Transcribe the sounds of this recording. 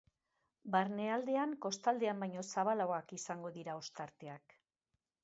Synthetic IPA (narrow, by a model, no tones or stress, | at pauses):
baɾne̞ald̪e̞aŋko̞st̪ald̪e̞ambajɲo̞saβ̞alawakisaŋɡo̞ðiɾao̞st̪aɾt̪e̞ak